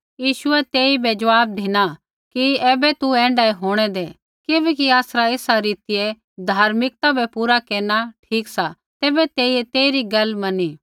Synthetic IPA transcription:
jiːʃʊɛt̪eːibɛd͡ʒɐʋaːb̚d̪ʱiːna | kiɛːbɛt̪uɛ̃ːɳɖaːiɦoːɽ̃ɛd̪e | keːbɛːkiaːsɾaeːsaɾiːt̪ɪje | d̪ʱaːɾmɪk̚t̪abʱɛpuːɾakeːnaʈʰiːksa | t̪eːbɛt̪eːiet̪eːɾiɡɐlmɐniː

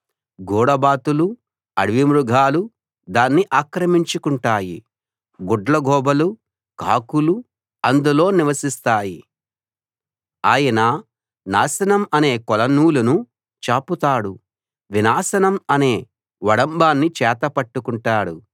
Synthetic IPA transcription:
ɡɔːɽɐbaːt̪ulu | ɐɽʋimɾuɡʱaːlu | d̪aːnːiʔaːkɾɐmiɲt͡ʃukuɳʈaːjḭ | ɡɔɖlɐɡʱɔːbɐlu | kaːkulu | ɐnd̪ulo̞ːniʋɐsist̪aːji | aːjɐnɐ | naːsɐnɐmɐne̞ːkɔlɐnuːlunu | t͡ʃaːput̪aːɽu | ʋinaːsɐnɐmɐne̞ː | ʋɐɽɐmbaːnːit͡ʃɛːt̪ɐpɐʈːukuɳʈaːɽu

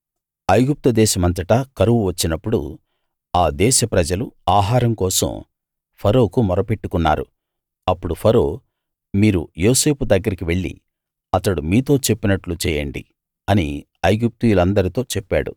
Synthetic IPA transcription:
ɐjɡup̚t̪ɐd̪ɛːʃɐmɐnt̪ɐʈɐkɐɾuʋuʋɐt͡ʃːinɐpːuɽṵ | aːd̪ɛːʃɐpɾɐd͡ʒɐluaːɦaːɾɐmkɔːsɐ̰m | pʰɐɾo̞ːkumɔɾɐpe̞ʈːukunːa̰ːɾṵ | ɐpːuɽupʰɐɾoː | miːɾṵjo̞ːse̞ːpud̪ɐɡːɐɾikiʋe̞ɭːḭ | ɐt̪ɐɽumiːt̪o̞ːt͡ʃe̞pːinɐʈlut͡ʃɛːjɐ̰ɳɖḭ | ɐni | ɐjɡup̚t̪ujulɐnd̪ɐɾit̪o̞ːt͡ʃepːa̰ːɽṵ

